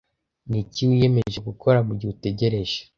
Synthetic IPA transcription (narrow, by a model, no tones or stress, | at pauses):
niciwije̞me̞ʒe̞ɡukʰo̞ɾaβuɾɟute̞ɟe̞ɾe̞ʒe̥